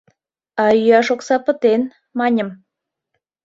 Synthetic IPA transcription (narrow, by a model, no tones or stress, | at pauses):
ɑyjɑʃoksɑpə̆t̪en | mɑnʲəm